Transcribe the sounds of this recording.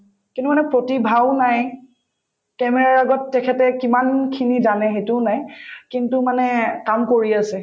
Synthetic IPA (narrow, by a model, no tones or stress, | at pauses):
kĩntumanɛpɹotibʱaʊnaj | kɛmɛɹaɹaaɡɔtːɛkʰɛtɛkimankʰinizanɛxejtʊnajkintumanɛkamkoɹiasɛ